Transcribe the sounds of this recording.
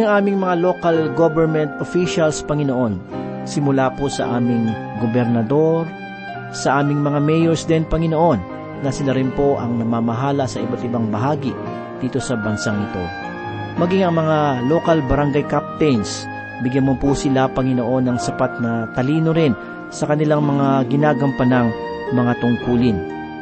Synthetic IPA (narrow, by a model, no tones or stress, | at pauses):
ŋʔaːmɪŋmɐŋalo̞ːkɐlɡobɛɹmɛnt̪ofiʃalspɐŋɪnoʔo̞n | sɪmʊlaposɐ̰ʔaːmɪŋ | ɡobɛɾnɐd̪o̞ɾ | sɐʔaːmɪŋmɐŋamɛjoɹsd̪ɛnpɐŋɪno̞ʔo̞nː | ɐsɪlaɾɪnpo̞ʔɐŋnɐmamɐɦaːlɐsɐʔɪbat̪ɪbaŋbɐɦaːɡi | d̪̥iːt̪o̞sɐbɐnsaŋɪt̪o̞ | mɐɡiŋɐŋmɐŋalo̞ːkɐlbɐɾɐŋɡajkap̚t̪ɛjns | bɪɡjɐnmopusɪlapɐŋɪno̞ʔo̞nɐŋsɐpat̪̚nɐt̪ɐliːnoɾɪn | sɐkɐnɪlaŋmɐŋaɡɪnaːɡɐmpɐnɐŋmɐŋat̪ʊŋkuːlɪn